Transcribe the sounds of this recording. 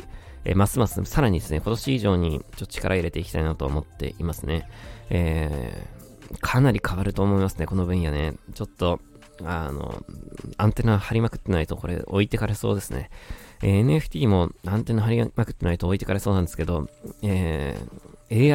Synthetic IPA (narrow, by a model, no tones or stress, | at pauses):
ḛːmasɨmasɨsaɾaɲ̟id̪e̞sɨne̞ko̞t̪o̞ɕiːʑo̞ːɲ̟it͡ɕot̪ːo̥t͡ɕi̥kaɾʔaiɾe̞t̪e̞iki̥t̪ainat̪o̞ːmo̞t̪ːe̞̰ʔimasɨne̞e | kʰanaɾʲikʰaβaɾɯ̟t̪o̞ːmo̞imasɨne̞ko̞no̞bɯ̟̃ɰ̃j̃ane̞t͡ɕo̞t̪ːo̞ | ano̰ãnt̪e̞nahaɾʲimakɯ̟̥t̪ːe̞nait̪o̞ko̞ɾe̞̰ʔo̞̰it̪e̞kaɾe̞so̞̰ːd̪e̞sɨne̞̰eeneɸɯ̟̥t̪ʲiːmo̞ãnt̪e̞naɦaɾʲimakɯ̟t̪ːenait̪oːit̪e̞kaɾe̞so̞ːnãnd̪eske̞d̪o̞e | eː